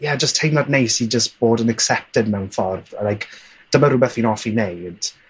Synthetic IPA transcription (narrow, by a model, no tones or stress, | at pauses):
jɛd͡ʒəstʰejmladnejsid͡ʒəstb̥oːdənɛksɛp̚tɪdmɛwnfɔrðəlajk | d̥əmaɾubɛθiːnɔfinejd̥